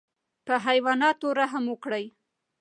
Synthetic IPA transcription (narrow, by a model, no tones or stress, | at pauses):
pəɦajwɑnɑt̪oɾaɦamwəkɽəj